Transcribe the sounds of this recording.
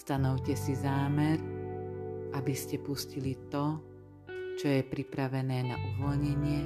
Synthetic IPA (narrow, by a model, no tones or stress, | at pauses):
st̪anɔʊcɛsizaːmɛɾ | ʔabiscɛpuscilit̪ɔ | t͡ʃɔjɛpɾipɾaʋɛnɛːna̰ʔuʋɔlɲɛɲɪɛ